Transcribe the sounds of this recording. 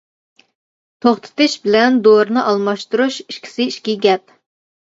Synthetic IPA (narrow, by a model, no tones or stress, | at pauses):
t̪ʰoχt̪ʰɨ̥t̪ɨʃbɪlɛnd̪oɾnɨʔɑlˠmɑʃt̪uɾuʃiʃkʲʰi̥sɪiʃkʲiɡʲɛp̚